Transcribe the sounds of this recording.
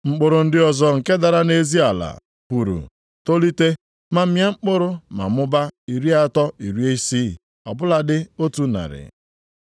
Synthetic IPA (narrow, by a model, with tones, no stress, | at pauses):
ŋ͡m̩˦k͡pʊ˨ɾʊ˨n̩˦dɪ˦ɔ˨zɔ˦ŋ̩˨ke˦da˨ɾa˦ne˦zi˦a˨la̰˨ | pu˨ɾṵ˨ | to˦li˦te˦ | ma˨m̩˦mja˦ŋ͡m̩˦k͡pʊ˦ɾʊ˦ma̰˨mʊ˦ba˦i˨ɾi˦a˦tɔ˦i˨ɾi˦e˦i˦si˦ | ɔ̰˨bʊ˦la˨dɪ˦o˦tu˨na̰˨ɾɪ̰˨